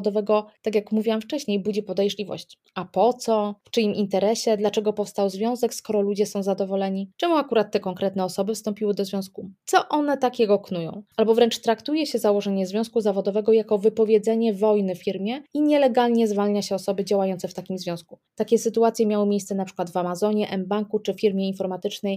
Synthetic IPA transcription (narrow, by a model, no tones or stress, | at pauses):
d̪ɔvɛɡɔt̪akʲjakmuvʲiwamft͡ʂɛɕɲejbud͡ʑipɔd̪ɛjʐlʲivɔ̰ɕt͡ɕ | apɔt̪sɔft͡ʂɘimʔint̪ɛɾɛɕɛd̪lat͡ʂɛɡɔpɔfst̪awzvʲjɔ̃w̃zɛkskɔɾɔlud͡ʑɛsɔ̃w̃zad̪ɔvɔlɛɲit͡ʂɛmuakuɾat̪ːɛkɔŋkɾɛt̪nɛɔsɔbɘfst̪ɔ̃mpʲiwɘd̪ɔzvʲjɔ̃w̃skut̪sɔʔɔnɛt̪akʲɛɡɔknujɔ̰̃w̃albɔvɾɛnt͡ʂt̪ɾakt̪ujɛɕɛzawɔʐɛɲɛzvʲjɔ̃w̃skuzavɔd̪ɔvɛɡɔjakɔvɘpɔvʲjed̪zɛɲɛvɔjnɘffʲiɾmʲjɛiɲɛlɛɡalɲɛzvalɲaɕɛɔsɔbɘd͡ʑawajɔnt̪ɛft̪akʲimzvʲjɔ̃w̃skut̪akʲɛsɘt̪uat̪sʲjɛmʲjawɔmʲejst̪sɛnapʂɘ̥kwad̪vamazɔɲɛʔɛmbaŋkut͡ʂɘfʲiɾmʲjɛinfɔɾmat̪ɘt͡ʂnɛj